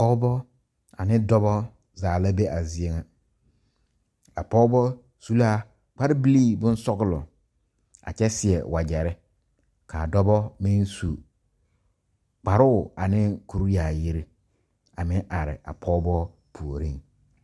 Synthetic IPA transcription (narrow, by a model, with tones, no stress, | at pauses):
pɔ˦bɔ˦ | a̰˨nɪ˦dɔ˦bɔ˦ | zaː˨la˦be˦ʔa˨zi˨˦ɛ˦ŋa˨ | a˨pɔ˦bɔ˦ | su˦la˦ | k͡pa˦ɾɪ˦bi˦liː˦bʊ̃˦n˦sɔ˦ɡʊ˦˨lʊ̰˨ | a̰˨t͡ʃɛ˦sɪ˨ɛ˨wʔa˨d͡ʒɛ˨ɾɪ˦ | kʰa˨dɔ˦bɔ˦mɪ˦nsu˨ | k͡pa˨ɾʊ˦˨a˨nɪ˦ku˨ɾjaː˨ji˦ɾi˦ | a˨mɪ˦ʔa˨ɾɪ̰˨ʔa̰˨pʰɔ˦bɔ˦ | pʰu˨o˨ɾi˦ŋ